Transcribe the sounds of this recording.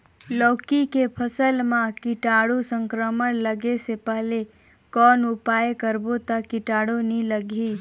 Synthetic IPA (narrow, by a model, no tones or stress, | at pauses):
lɔːkikepʰəsəlmãkɪʈaːɽosə̃ŋkɾəməɽləɡesepɛɦle | kɔːnʊpaːjekəɾbot̪akɪʈaːɽoniləɡʱi